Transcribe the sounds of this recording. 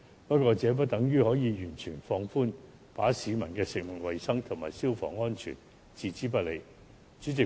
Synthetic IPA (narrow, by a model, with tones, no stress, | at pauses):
pɐ˥t̚kʷɔː˧t͡sɛː˨˥p̬ɐ˥t̚t̪ɐ˨˥ŋjyː˥hɔː˨˥jiː˨˧jyː˨˩nt͡ʃʰyː˨˩nfɔː˧ŋfuː˥n | paː˨˥siː˨˧mɐ̰˨˩nkɛː˧sɪ˨k̚mɪ˨˩ŋ̚wɐ˨jsɐ˥ŋt̪ʰʊ˨˩ŋmaː˨˩jsiː˥wfɔ̰ː˨˩ŋɔː˥nt͡ʃʰy̰ː˨˩n | t͡siː˨˧t͡siː˨˥p̬ɐ˥t̚le˨˧j | t͡ʃyː˨˥t͡sɪ˨